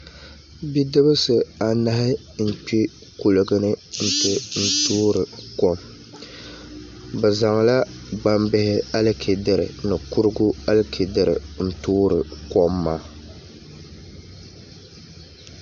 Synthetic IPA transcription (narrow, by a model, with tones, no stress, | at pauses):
bi˦dɨ˦bɨ˦sɨ˨a˨na˦ɦɪ˦ | n̩˨k͡pi˦ | ku˨lɨ˨ɡɨ˦nɨ˦n̩˦˨tɨ˨n̩˦tuː˦ɾɨ˨kɔ˦m | bɨ˨za˨ŋ˨la˦ba˦mbɪ˦hɪ˦a˦lkʰe˨dɨ˦ɾɨ̰˨nɨ˨ku˦ɾɨ˦ɡu˦a˦lkʰe˨dɨ˦ɾɨ̰˨n̩˨tuː˦ɾɨ˨kɔ˦mːaː˦